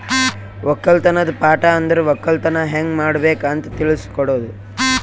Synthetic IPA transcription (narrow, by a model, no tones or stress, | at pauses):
ʋɔkːɐlt̪ɐnɐd̪ɐpaːʈɐɐnd̪ɐɾeʋɔkːɐlt̪ɐnɐɦeŋɡmaːɽɐbeːkaːnt̪ɐt̪iɭiskɔɽoːd̪u